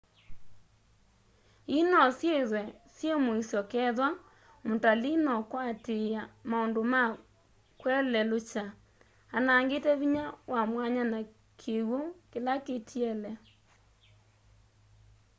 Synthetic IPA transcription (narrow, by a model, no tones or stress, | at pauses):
inɔsjeðwɛsjemoisjɔkɛðwa | motalinɔkwateamaondoma | kwɛlɛlot͡ʃa | anaːŋɡetɛβiɲawamwaɲana | kʰeɣwokelaketʰiɛlɛ